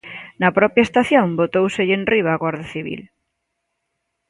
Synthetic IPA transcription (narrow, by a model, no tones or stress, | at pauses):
nɐpɾɔpjɐest̪aθjõŋbot̪owseʎenriβ̞aːɣwaɾðaθiβ̞ḭl